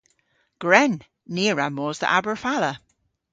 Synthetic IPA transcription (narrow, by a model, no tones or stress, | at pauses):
ɡ̥ɹɛnː | iːəɹamoːzðə̰ʔabəɹfalə